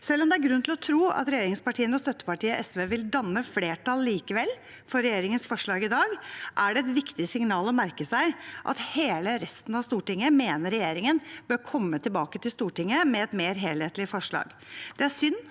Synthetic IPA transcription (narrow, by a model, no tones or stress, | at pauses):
sɛlːɔmd̪ɛæɾɡɾʉnːt̪ʰɪlɔt̪ʰɾuːɑ̰t̪ɾɛjeːɾɪŋspɑʈʰiːənəɔst̪œt̪ːə̥pɑʈiːəʔɛsʋeːʋɪld̪ɑnːəfleːʈʰɑlːiːkəʋɛlː | fɔɾɛjeːɾɪŋənsfɔʂɭɑːɡɪd̪ɑːɡʔæɖɛɛt̪ʋɪkt̪ɪsɪŋnɑːlɔmæɾkəsæɪʔɑ̰t̪heːləɾɛst̪n̩ɑʋst̪uːʈɪŋːəmeːnəɾːɛjeːɾɪŋənb̥øːɾkʰɔmːət̪ʰɪlbɑːkət̪ʰɪlst̪uːʈɪŋːəmɛɛt̪meːɾɦeːlheːt̪lɪfɔʂɭɑ̰ːɡ | d̪̥ɛæʂʏnː